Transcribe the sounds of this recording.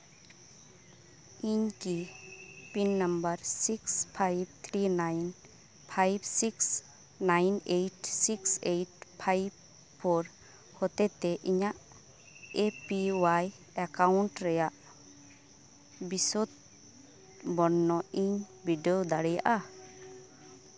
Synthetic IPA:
iɲki | pinːambəɾsikspʰajb̚t̪ʰɾinajn | pʰajbsiks | najnejʈsiksejʈpʰajb̚ | pʰɔɾ | hɔt̪ɛt̪ɛʔiɲaʔ | epiwaj | akawɳʈɾɛjaʔ | bisɔt̪̚ | bɔɾnːɔiɲbiɖeod̪aɽɛja̰ʔa

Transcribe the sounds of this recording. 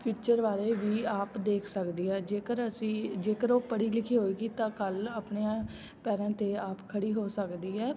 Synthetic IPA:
pʰuːt͡ʃəɾʋaːɾeːʋiːaːpd̪eːkʰsəkd̪iːɛːd͡ʒeːkəɾəsĩːd͡ʒeːkəɾoːpəɽiːlɪkʰiːɦoːeːɡiːt̪ãːkəlaːpɳeːãː | pɛːɾãːt̪eːaːpkʰəɽiːɦoːsəkd̪iːɛː

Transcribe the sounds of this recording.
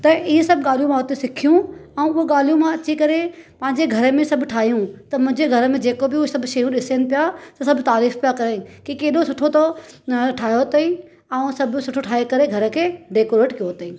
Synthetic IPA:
t̪ɐʔɪɦesɐbʱɠaːl̤ijũmãɦot̪esɪkʰijũɛũʊɦoɠaːl̤ijũmãɐt͡ɕikɐɾepɐ̃ɦɪ̃ɲd͡ʑeɡʱɐɾəmẽsɐbʱʈʰaːɦijũt̪ɐmʊ̃ɦɪ̃ɲd͡ʑeɡʱɐɾəmẽd͡ʑeːkobɪʊsɐbʱʃɐjũɗɪsenɪ̆pijat̪ɐsɐbʱt̪aːɾiːfpijakɐɾekikeːɗosʊʈʰot̪oʈʰaːɦijoɦot̪eĩ | ɛũsɐbʱsʊʈʰoʈʰaːɦekɐɾeɡʱɐɾə̆kʰeɖeːkoːɾeːʈkijoɦt̪eĩː

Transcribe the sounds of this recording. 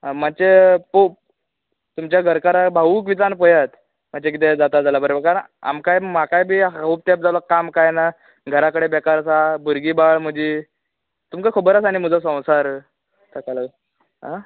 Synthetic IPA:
amat͡ɕepo | t̪umt͡ɕjaɡʱəɾkaɾabʱaʋuk̬ʋit͡sanpəjat̪ | m̤at͡ɕek̬it̪̬ɛd͡zat̪ad͡zalabəɾobəɾkaɾəa̰mkajmakajbʱiːɦauːp̚t̪ep̚d͡zalakamkajna | ɡʱəɾakəɽebɛkaɾsabuɾɡiːbaɭm̤əd͡ʑiː | t̪umkakʰəbəɾasañim̤əd͡zasə̃w̃saɾ | t̪akala | ɦa

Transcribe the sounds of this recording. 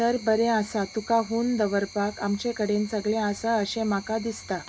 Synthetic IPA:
təɾbəɾẽəsat̪ukaɦuːnd̪əʋəɾpakamt͡ɕekəɽẽnt͡səɡɭẽasaəɕẽmakad̪ist̪a

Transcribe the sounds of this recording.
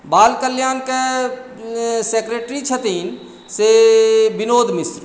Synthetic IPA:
baːlkəljaːnke | sekɾeːʈɾit͡ʃʰət̪iːn | sebɪnoːd̪ʱmɪsɾ

